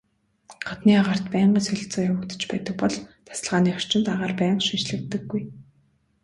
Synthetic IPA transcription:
χat̪niːaʁar̥t̪pæːɴɢiːsɵɮ̆ʲɬt͡sɔːjawə̆kt̪ə̥̆t͡ɕpæːt̪ə̆k̚pɔɮt̪ʰḁsə̆ɮʁaːniːɔr̥t͡ɕɪ̆nt̪aʁaːrpæːɴʃint͡ɕɮɘ̆kt̪ɘ̆ɡːuj

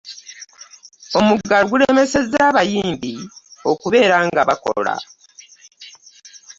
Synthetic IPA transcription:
o̞muɡaluɡuleme̞se̞zːaːβajiːmbio̞kuβe̞ːɾaŋɡaβako̞̰la̰

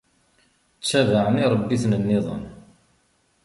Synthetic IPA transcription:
t͡sːævaʕəniɾˤbːiθnənːɪðˤə̰n

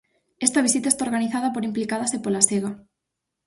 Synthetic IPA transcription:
est̪aβ̞isit̪aest̪aoɾɣaniθaðɐpoɾimplikað̞asepolaseɣa

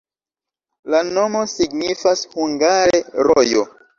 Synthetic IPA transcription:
lano̞mo̞siɡnifashuŋɡaɾeɾojo̰

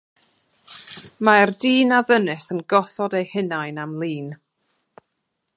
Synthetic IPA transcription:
mardiːnaðənɨsənɡɔsɔdejhɪnajnamlˠiːn

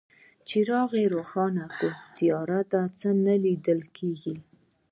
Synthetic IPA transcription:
t͡ʃiɾɑɣeɾoxɑnakot̪ijɑɾad̪at͡sənalid̪əlkʰeɡi

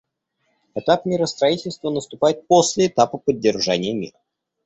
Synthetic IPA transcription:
ɛt̪apmʲiɾəst̪ɾɐitʲɪlʲst̪vənəst̪ʊpajɪt̪̚po̞sʲlʲɪːt̪apəpədʲːɪrʐanʲɪjəmʲḭrə

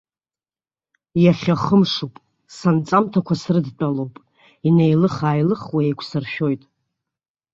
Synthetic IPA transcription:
jaχʲaχəmʂupʼ | sant͡sʼamtʰakʷʰasrɨdtʼalo̞wpʼ | inejlɨχaːjlɨχwaejkʷʰsɨrʃᶣo̞jtʼ

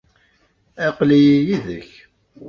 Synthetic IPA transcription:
æqlijijiðəç

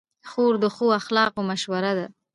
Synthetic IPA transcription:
xoɾd̪əxoaxlɑqomaʃwaɾad̪a

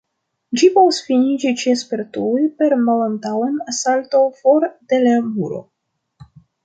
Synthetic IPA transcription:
d͡ʒipo̞vusfinid͡ʒit͡ʃiespe̞ɾtujpe̞ɾmalantawenasaltofoɾdelebuɾo̞̰

